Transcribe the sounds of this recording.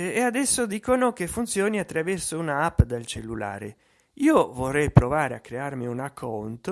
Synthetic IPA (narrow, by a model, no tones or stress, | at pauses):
ead̪ɛsːod̪iːkonokefːunt̪sjɔːniat̪ːɾavɛrsounaapːd̪elt͡ʃelːula̰ːɾḛ | iːovorːɛjpɾovaːɾeakːɾearmiunakʰːɔnt̪o